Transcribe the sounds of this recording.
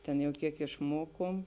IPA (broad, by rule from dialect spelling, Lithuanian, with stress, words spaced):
tʲɛn jɛʊ ˈkʲiɛk ɪʃˈmoːkoːm